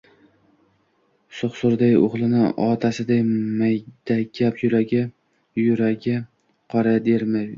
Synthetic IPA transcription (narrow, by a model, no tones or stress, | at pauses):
soχsʊɾd̪ajʊ̰ʁlˠɪnɪɒt̪ʰasɪd̪ajmajd̪̥akʲʰːapjʊɾaɡʲɪ | jʊɾaɡʲɪ | qʰɒɾad̪eɾmaj